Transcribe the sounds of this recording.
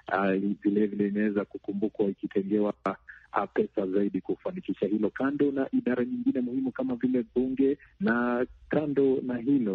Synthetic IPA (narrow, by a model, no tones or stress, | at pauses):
avilɛvilɛinawɛzakukumbukwaikitɛŋɡɛwa̰ | pɛsazaiɗikufanikiʃahilɔkandɔnaʔiɗaɾaɲiŋɡinɛmuhimukamavilɛɓuŋɡɛnakandɔnaɦilɔ